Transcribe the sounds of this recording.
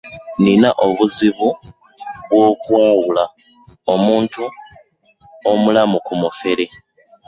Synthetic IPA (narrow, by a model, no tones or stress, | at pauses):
ninaʔo̞βuziβu | βwo̞ːkwaːwula | o̞muːntu | omulamukumufe̞ɾe̞